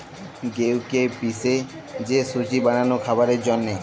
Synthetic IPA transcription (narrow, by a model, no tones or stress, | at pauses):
ɡewkepise | d͡ʒesut͡ʃibaɽ̃anukʰabaɾed͡ʒɔnːe